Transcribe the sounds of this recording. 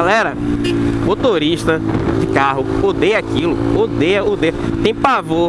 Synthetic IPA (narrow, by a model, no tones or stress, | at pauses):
alɛɾɐmot̪oɾiʃt̪ɐd͡ʒɪkaɦʊod̪ejɐakilʊod̪ejɐod̪ejɐt̪ẽj̃pavo